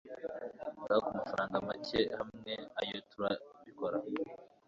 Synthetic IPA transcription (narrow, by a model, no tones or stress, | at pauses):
ɾakumafaɾaːŋɡamacehamŋeajo̞tuɾaβiko̞ɾa